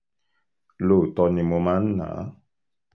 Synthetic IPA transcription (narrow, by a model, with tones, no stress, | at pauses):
lo˦˨t̪ɔ˧nĩ˧mo˧mã˦n̩˦nã̰˨˦